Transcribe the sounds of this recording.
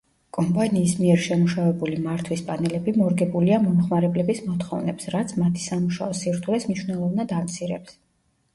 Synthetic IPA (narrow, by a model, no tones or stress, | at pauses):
kʼɔmpʼaniːsmiɛɾʃɛmuʃavɛbulimaɾt̪ʰwispʼanɛlɛbimɔɾɡɛbuliamɔmχmaɾɛblɛbismɔt̪χɔvnɛpsɾat̪sʰmat̪ʰi̥samuʃa̰ɔsiɾt̪ʰulɛsmniʃwnɛlˠɔvnad̪amt̪sʰiɾɛps